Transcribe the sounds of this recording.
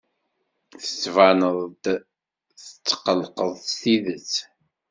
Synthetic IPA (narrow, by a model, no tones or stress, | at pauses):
θə̥t͡sːvanəðˤd̪ | θə̥t͡sːqəlqəðˤsθiðət͡sː